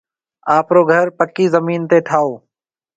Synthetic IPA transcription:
aːpɾoːɡʱəɾpəkːiːzəmiːnt̪eːʈʰaːoː

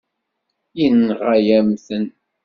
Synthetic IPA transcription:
inːʁæjæmθən

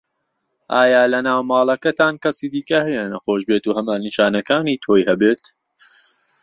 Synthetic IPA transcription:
ʔaːjaːlɐnaːwmaːlˠɐkɐt̪aːnkɐsiːd̪iːkɐhɛjɛnɐxoːʃbeːt̪uːhɐmaːniʃaːnɐkaːniːt̪ʰoːjhɐbeːt̪

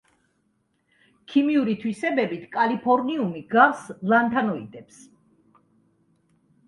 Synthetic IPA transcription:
kʰimiuɾit̪ʰwisɛbɛbit̪ʰkʼalipʰɔɾniumiɡaslˠant̪ʰanɔḭd̪ɛps

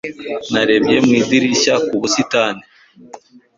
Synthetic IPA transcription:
naɾe̞bje̞mŋiːdiɾiʃakuβusitaːni

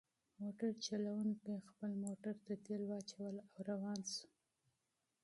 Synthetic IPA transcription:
moʈaɾt͡ʃalawunkaxpəlmoʈaɾt̪at̪elwɑt͡ʃawəlawɾawɑnsu̥

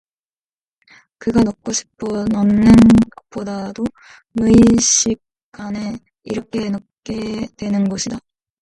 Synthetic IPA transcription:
kɯɡanok̚k͈oɕʰi̥pʰʌnʌnːɯnkop͈ʰodado | nuiɕʰik̚ | k͈ane | iɾʌkʰe̞no | k͈e̞dwe̞nɯnɡʌɕʰida

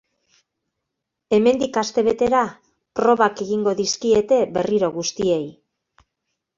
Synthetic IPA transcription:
e̞me̞nd̪ikast̪e̞β̞e̞t̪e̞ɾa | pɾo̞βake̞ɣiŋɡo̞ðiskiet̪e̞βe̞riɾo̞ɣust̪ie̞j

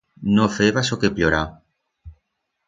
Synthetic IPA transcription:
nofeβasokepʎoɾa

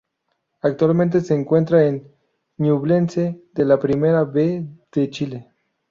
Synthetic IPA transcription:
ak̚t̪walment̪eseːŋkwe̞nt̪ɾaenː | uβle̞nsed̪elapɾimeɾaβed̥et͡ʃile

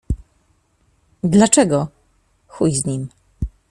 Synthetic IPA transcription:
d̪lat͡ʂɛɡɔ | xujzɲim

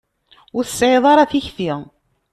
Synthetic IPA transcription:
ʊɾsːʕeðˤɑɾˤɑθiçfi

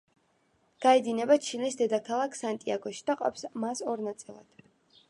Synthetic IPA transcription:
ɡ̥aɛd̪inɛbat͡ʃʰinisd̪ɛd̪akʰalˠakʰsant̪ʼiaɡɔʃi̥d̪aqʼɔ̰psmasɔɾnat̪sʼilˠa̰d̪̥

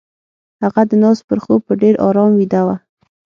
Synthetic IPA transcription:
haɣad̪ənɑspəɾxob̚pəɖeɾɑ̰ɾɑmwid̪awa

